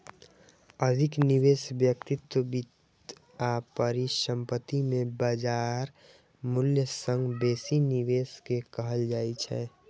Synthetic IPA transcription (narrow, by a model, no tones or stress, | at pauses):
əd̪ʱɪkniʋesbjək̚t̪ɪt̪wəbit̪ | apəɾisə̃mpət̪imẽbad͡ʒaɾ | mʊljəsə̃ŋɡbeːsiniʋeːskekəɦəld͡ʒaːit͡ʃʰɛ